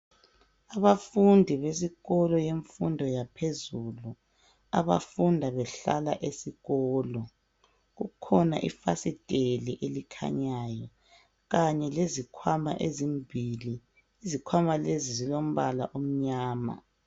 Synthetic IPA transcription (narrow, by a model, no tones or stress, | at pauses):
aβafundʱiβes̬iɣɔlɔjeɱfundʱɔjapʰezulu | a̰βa̰fundʱaβɛɬa̰la̰ʔesiɣɔːlɔ | ɣukʰɔna̰ʔḭfasid̥ʱʼeliʔelikʰa̰ɲaːjɔ | ɣaɲɛlezikʰwama̰ʔezimbʱiliː | zikʰwamalezizilom̩βala̰ʔom̩ɲaːma̰